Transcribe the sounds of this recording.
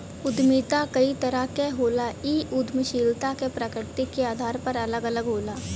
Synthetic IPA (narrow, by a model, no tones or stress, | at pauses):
ʊd̪miːt̪akɐit̪ɐɾakeɦoːlaiːʔʊd̪ʱməʃiːlt̪akepɾəkɪɾt̪ikːeaːd̪ʱaːɾpɐɾɐləɡələɡɦoːlaː